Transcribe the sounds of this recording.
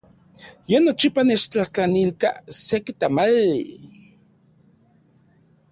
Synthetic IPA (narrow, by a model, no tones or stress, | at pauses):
jenot͡ʃipanet͡ʃt͡ɬaht͡ɬanilka̰sekit̪amalːi